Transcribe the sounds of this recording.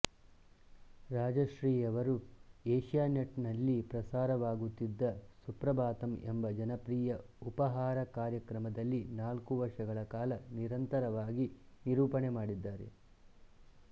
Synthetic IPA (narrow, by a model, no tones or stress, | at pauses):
ɾaːd͡ʒɐʃɾiːjɐʋɐɾueːʃjaːnɐʈnɐlːipɾɐsaːɾɐʋaːɡut̪ːid̪ːɐsupɾɐbaːt̪ɐmembɐd͡ʒɐnɐpɾiːjɐ | upɐɦaːɾɐkaːɾjɐkɾɐmɐd̪ɐlːinaːlkuʋɐɾʂɐɡɐɭɐkaːlɐniɾɐnt̪ɐɾɐʋaːɡi | niɾuːpɐɳemaːɽid̪ːaːɾe̞̰